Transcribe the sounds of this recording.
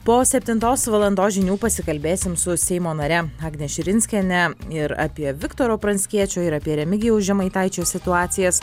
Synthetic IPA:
poːsʲɛpʲt̪ʲɪnt̪oːsʋɐlˠɐnd̪oːʒʲɪnʲuːpɐsʲɪkɐlʲbʲeːsʲɪmsʊsʲɛɪmoːnɐɾʲɛɑːɡnʲɛʃʲɪɾʲɪnʲsʲkʲɛnʲɛɪɾa̰ːpʲiɛʋʲɪkt̪oːɾoːpɾɐnʲsʲkʲiɛt͡ʃʲoːɪɾɐːpʲiɛɾʲɛmʲɪɡʲɪjɛʊʒʲɛmɐɪt̪ɐɪt͡ʃʲoːsʲɪt̪ʊɑːt̪sʲɪjɛs

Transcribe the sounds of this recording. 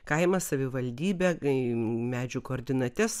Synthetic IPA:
kɐɪmɐsɐʋʲɪʋɐlʲd̪ʲiːbʲɛ | mʲæːd͡ʒʲukoːɾʲd̪ʲɪnɐt̪ʲɛs

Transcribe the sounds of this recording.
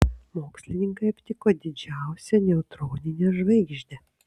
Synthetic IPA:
moːksʲlʲɪnʲɪŋkɐɪɐpʲt̪ʲɪkoːd̪ʲɪd͡ʒʲæˑʊsʲɛnʲɛʊt̪ɾoːnʲɪnʲɛʒʋɐɪɡʲʒʲd̪ʲɛ

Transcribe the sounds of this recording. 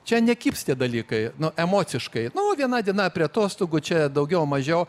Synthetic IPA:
t͡ʃʲɛnʲɛkʲiːpst̪ʲiɛd̪ɐlʲiːkɐɪnʊʔɛmoːt͡s̪ʲɪʃkɐɪnʊoːʋʲiɛnɑːd̪ʲiɛnɑpʲɾʲiɛt̪oːst̪oɡʊt͡ʃʲɛd̪ɐʊɡʲɛʊmɐʒʲɛʊ

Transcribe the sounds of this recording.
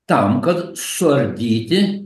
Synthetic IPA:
t̪ɐmkɐt̪sʊɐɾʲd̪ʲiːt̪ʲɪ

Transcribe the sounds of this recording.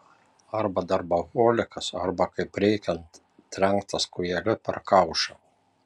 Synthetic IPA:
ɐɾbɐd̪ɐɾbɐɣoːlʲɪkɐsɐ̰ɾbɐkɐɪpɾʲɛɪkʲɛnt̪ | t̪ɾʲɛŋkt̪ɐskʊjɛlʲɪpʲɛ̰ɾkɐʊʃʲɛ

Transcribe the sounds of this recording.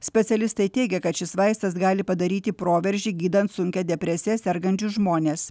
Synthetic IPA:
sʲpʲɛt̪sʲɛlʲɪst̪ɐɪt̪ʲɛɪɡʲɛkɐt̪ʃʲɪsʋɑɪst̪ɐsɡɑːlʲɪpɐd̪ɐɾʲiːt̪ʲɪpɾoːʋʲɛɾʲʒʲiːɡʲiːd̪ɐnt̪sʊŋʲkʲɛd̪ʲɛpʲɾʲɛsʲɪɛsʲɛɾɡɐnʲt͡ʃʲʊsʒmoːnʲeːs

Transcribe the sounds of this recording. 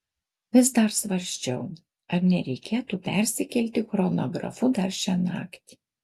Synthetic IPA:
ʋʲɪs̬d̪ɐɾsʋɐɾʲsʲt͡ʃʲɛʊ | ɐɾnʲɛɾʲɛɪkʲeːt̪upʲɛɾʲsʲɪkʲɛlʲt̪ʲɪxɾono̰ːɡɾɐ̰fʊd̪ɐɾʃʲɛnɑ̰ːkt̪ʲi̥

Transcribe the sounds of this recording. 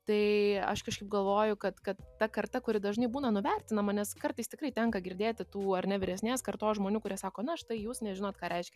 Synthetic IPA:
t̪ɐɪɐ̰ʃkɐʃkɐɪp̚ɡɐlˠʋoːjʊkɐt̪kɐt̪ːɐkɐrt̪ɐkʊɾʲɪd̪ɐʒnɐɪbuːnɐnʊʋʲɛrʲt̪ʲɪnɐmɐnʲɛskɐrt̪ɐɪst̪ʲɪkrɐɪt̪ʲɛŋkɐɡʲɪɾʲd̪ʲeːt̪ʲɪt̪uːɐɾrnʲɛʋʲɪɾʲɛsʲnʲeːskɐrt̪oːsʒmoːnʲuːkʊɾʲiɛsɑːkoːnɐɐʃt̪ɐɪjuːsnʲɛʒʲɪnoːt̪kɑːɾʲʔɛɪʃʲkʲɛ

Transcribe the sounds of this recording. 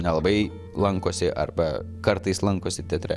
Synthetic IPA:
nʲɛlˠɐbɐɪ | lˠɐŋˑkoːsʲɪʔɐ̰rbɐ | kɐɾt̪ɐɪslˠɐŋkoːsʲɪt̪ʲɛt̪ʲɾʲɛ̰

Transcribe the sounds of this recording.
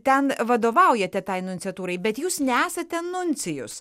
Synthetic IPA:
t̪ʲɛnʋɐd̪oːʋɐʊjɛt̪ʲɛt̪ɐɪnʊnʲt͡sʲɛt̪uːɾɐɪbʲɛt̪juːsnʲɛæːsɐt̪ʲɛnʊnʲt͡s̪ʲɪjʊs

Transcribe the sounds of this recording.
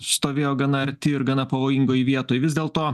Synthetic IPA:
st̪oːʋʲeːjoːɡɐnɐɐɾʲt̪ʲɪɪɾɡɐnɐpɐʋoːjɪŋɡoːjɪʋʲiɛt̪oːjʋʲɪzd̪ʲeːlˠt̪oː

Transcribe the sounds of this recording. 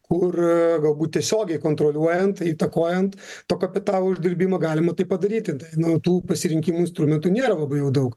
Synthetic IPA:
kʊrɡɐlˠbuːt̪̚ʲtʲiɛsʲoːɡʲɛɪkoːnt̪ɾolʲuɔjɛnt̪iːt̪ɐkoːjɛnt̪t̪oːkɐpʲɪt̪ɑːlˠoʊʒʲd̪ʲɪɾʲbʲiːmɐɡɑːlʲɪmɐt̪ɐɪpɐd̪ɐɾʲiːt̪ʲɪt̪ɐɪnʊt̪uːpɐsʲɪɾʲɪŋʲkʲiːmuɪnst̪ɾʊmʲɛnt̪unʲeːɾɐlˠɐbɐɪjɛʊd̪ɐʊk

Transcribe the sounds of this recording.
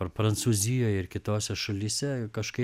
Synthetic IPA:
ɐɾpɾɐnt̪suːzʲɪjoːjɪɾkʲɪt̪oːsʲɛʃɐlʲiːsʲɛkɐʃkɐɪ

